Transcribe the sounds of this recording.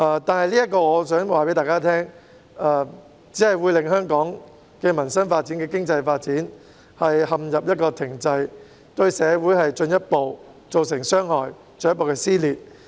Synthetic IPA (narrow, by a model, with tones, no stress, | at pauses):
ʔɐː˧t̪aː˨nhɐ˨jliː˥jɐ˥t̚kɔː˧ŋɔː˨˧sœː˨˥ŋwaː˨pe˨˥jt̪aː˨jkaː˥t̪ʰɛː˥ŋ | ɐː˨˩ | t͡siː˨˥hɐ˨jwuː˨˧jlɪ˨ŋɦœː˥ŋkɔː˨˥ŋ | kɛ˧mɐ˨˩nsɐ˥nfaː˧t̚t͡siː˨˥nkɛ˧kɪ˥ŋt͡sɐ˧jfaː˧t̚t͡siː˨˥n | hɐ˨jhɐ˨mjɐ˨p̚jɐ˥t̚kɔː˧t̪ʰɪ˨˩ŋt͡sɐ˧j | t̪ɵ˧ɥsɛː˨˧wuː˨˥jɦɐ˨jt͡ʃɵ˧njɐ˥t̚po˨w | t͡so˨ws̬ɪ˨˩ŋsœː˥ŋɦɔː˨j | t͡sɵ˨˧j̚po˨wkɛː˧siː˥liː˨˩t̚